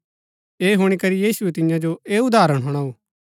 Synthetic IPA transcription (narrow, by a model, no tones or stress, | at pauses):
eːɦʊɽ̃ikɐɾijiːsuet̪ɪjãd͡ʒoeːʊd̪aːɾəɽ̃ɦoːɽ̃aːoː